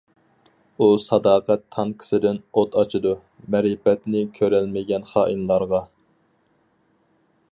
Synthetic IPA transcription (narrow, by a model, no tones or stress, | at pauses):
usɑd̪ɑːqɛt̪ʰːɑŋkʰɪ̥sɪd̪ɪnot̪ʰɑt͡ʃʰɨd̪u | mɛɾipɛt̪nɪkʲʰøɾɛlmɪɡʲɛnχɑːʔinlˠɑɾʁɑ